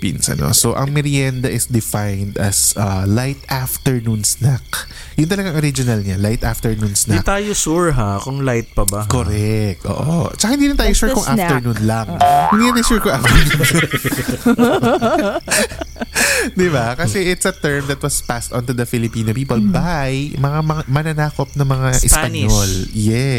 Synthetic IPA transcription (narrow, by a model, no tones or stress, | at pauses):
pḭnsɐ̰no̰soʔɐ̰ŋmɛɾiand̪ɐʔɪsd̪ɪfajnd̪ɐsʔɐlajt̪ʔaft̪ɛɹnunsnak | jʊnt̪ɐlɐɡaŋʔoɾid͡ʒonɐlɲalajt̪ʔaft̪ɛɹnunsnat̪aːjosuɹɦakʊŋlajt̪̚pɐbakoɾɛk̚t̪ʔo̰ːʔo̰t͡ʃɐkahɪnd̪iːɾɪnt̪aːjoʃuːɹkʊŋfʔaft̪ɛɹnunlɐŋhɪnd̪innmɐjsuɹkʊŋʔaft̪ɛɹnuːnsak | d̪ɪbakɐsɛʔɪt̪sɐt̪ɛɹmd̪ɐt̪wɐspast̪ɔ̃nt̪ud̪ɐfɪlɪpiːnopiːpolbajmɐŋamɐmɐnɐnaːkop̚nɐmɐŋaʔɪsppɐnɲjoljɛ